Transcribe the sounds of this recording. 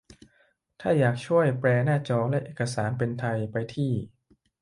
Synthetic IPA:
t̪ʰaː˥˩jaː˨˩k̚t͡ɕʰu˥˩əjpɾɛː˧naː˥˩t͡ɕɔː˧lɛ˦˥ʔeː˨˩kːa˧saː˩˦npe˧nt̪ʰa˧jpa˧jt̪ʰiː˥˩

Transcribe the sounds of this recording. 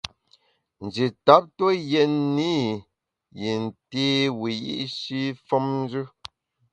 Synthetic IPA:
n̩˨d͡ʒi˨ta˨˦p̚to˦jɛ˨ni˦ | ji˨n̩˨teː˦wi˨jḭ˦ʔʃi˦fɔ˦mn˦d͡ʒʉ˦

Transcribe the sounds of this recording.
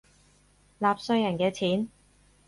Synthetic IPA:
laː˨p̚sɵ˧ɥjɐ˨˩nkɛː˧t͡sʰiː˨˥n

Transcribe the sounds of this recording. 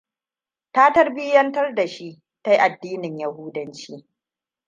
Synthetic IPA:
taː˦tɐ˦rbɪ˦jɐ˦ntɐ˦rda˨ʃi˦ | ta˦jʔa˨dːiː˦nɪ˨ɲjɐ˦huː˦dɐ˦nt͡ʃiː˦

